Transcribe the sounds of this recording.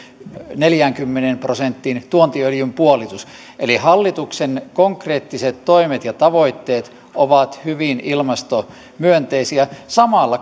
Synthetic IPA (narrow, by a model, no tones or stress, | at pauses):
neljæŋkymːenemprosent̪ːint̪uont̪iøljympuolit̪us | ʔelihɑlːit̪uksenkoŋkreːt̪ːiset̪t̪oimet̪jɑt̪ɑʋoit̪ːeːt̪ | ʔoʋɑt̪hyʋinilmɑst̪o | myønt̪eisiæsɑmɑlːɑ